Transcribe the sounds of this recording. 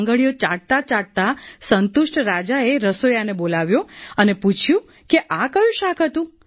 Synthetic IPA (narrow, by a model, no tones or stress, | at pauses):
ŋɡəɭijot͡ʃaɽ̚t̪at͡ʃaɽ̚t̪asənt̪uʃʈɾad͡ʒaeɾəsojanebolaʋjoəneput͡ʃʰjũ | keʔakəjũʃakʰɦət̪ũ